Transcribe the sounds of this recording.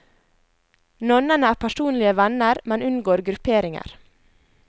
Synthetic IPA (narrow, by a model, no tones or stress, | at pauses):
nɔnənəæːpʰæʃuːnlɪəʋɛnəɾmɛnʉnɡoːɾɡɾʉpʰeːɾɪŋə̰ɾ